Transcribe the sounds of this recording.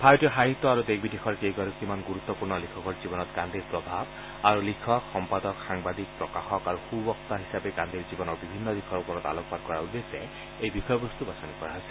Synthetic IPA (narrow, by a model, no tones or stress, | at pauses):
bʱajɔtiɔxaɦit̪ːɔaɹud̪eɡbidexʰɔɹkejɡɔɾɔkːimanɡuɹut̪ːɔpuɹnɔlikʰɔkɔɹzibɔnɔt̪kand̪ʱiɹpɹɔbʱab | aɹulikʰɔkxɔmpad̪ɔkxaŋbad̪ik̚pɹɔkaxɔkaɹuxubɔk̚t̪aɦisapɛkãnd̪ʱiɹzibɔnɔɹbibʱinːɔd̪ixʰɔɹupɔɹɔt̪a̰lɔk̚pad̚kɔɹaud̪esɛ̰ | ejbixɔjɔbɔst̪ubasɔnikɔɹaɦɔjsɛ